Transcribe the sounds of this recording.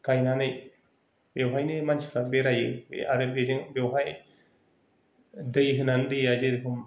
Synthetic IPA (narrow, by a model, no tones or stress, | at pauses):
kajnanɯj | bewɦajnɯmansʰi̥pʰɾabeɾajɯbḛaɾɯbezɯŋbewɦaj | dɯjɦɯnandɯjazɯdɯkʰɯm